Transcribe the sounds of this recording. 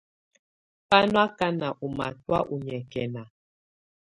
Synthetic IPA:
pa˦nwa˦ka˦na˨ʔu˨ma̰˨twa˦ʔu˨ɲɛ˨kɛ˨na˨

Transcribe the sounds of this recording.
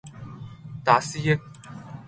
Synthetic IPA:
t̪a˨si˦je˦k̚

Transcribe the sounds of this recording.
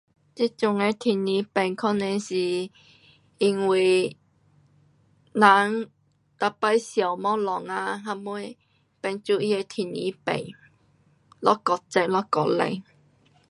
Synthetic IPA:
t͡ɕi˦˥t͡sʊ˧ŋe˧t̪ʰi˨ni˨˦pɛ˨˩ŋkʰɔ˥˧nɛ˧si˨˩ | i˧ŋwi˧˩ | na˨˦ŋ | t̪a˧pa˧jsja˨˩wmɔ˦˥lɔ˨˩ŋa˧ɦa˧mu˧˦j | pɛ˧˩nt͡su˧i˦˧e˧t̪ʰi˨nḭ˧˦pḛ˨˩j | lɔ˦kɔ˧t͡sɛ˧lɔ˦˥kɔ˧˩t̚lḛ˧˨ŋ

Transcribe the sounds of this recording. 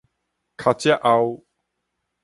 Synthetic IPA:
kʰa˧t͡ɕa˦ʔa˧w

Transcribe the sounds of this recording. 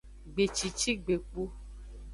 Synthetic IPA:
ɡ͡be˨t͡ʃi˨t͡ʃi˦ɡ͡be˨k͡pu˦

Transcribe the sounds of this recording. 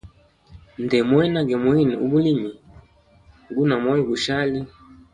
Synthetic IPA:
ndɛ˨mwɛ˦na˦ɡɛ˨mwi˦ni˨u˦bu˦li˦mi˨ | ɡu˦na˨mɔ˦jɔ˦˨ɡu˨ʃa˦li˦

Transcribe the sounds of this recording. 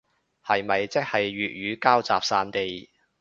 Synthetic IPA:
hɐ˨jmɐ˨jt͡sɪ˥k̚hɐ˨jɥyː˨t̚ɥyː˨˧kaː˥wt͡saː˨p̚saː˧nt̪e˨˧j

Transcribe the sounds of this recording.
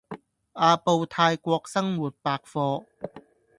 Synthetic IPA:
ʔaː˧po˧wt̪ʰaː˧jkʷɔː˧k̚sɐ˥ŋwuː˨˩t̚paː˧k̚fɔː˧

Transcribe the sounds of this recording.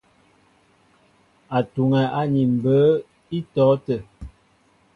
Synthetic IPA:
a˨tu˨ŋɛ˨ʔa˦ɲi˨m̩˨bə˨˦ | i˦tɔː˨˦tə˨

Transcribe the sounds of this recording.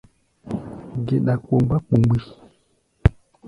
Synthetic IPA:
ɡe˨ɗa˨k͡po˨m˦ba˦k͡pu˨˦ɡ͡bi˦

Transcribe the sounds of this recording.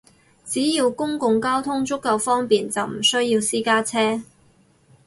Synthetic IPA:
t͡siː˨˥jiː˧wkʊ˥ŋkʊ˨˧ŋkaː˥wt̪ʰʊ˥ŋt͡ʃʊ˥kːɐ˨˧wfɔː˥ŋpiː˨nt͡sɐ˨wm̩˨˩sɵ˥ɥjiː˧wsiː˥kaː˥t͡sʰɛː˥

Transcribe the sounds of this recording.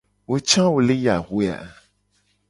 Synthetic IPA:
wo˦t͡ʃã˦wo˨le˦ja˨ɦe˦a̰˨

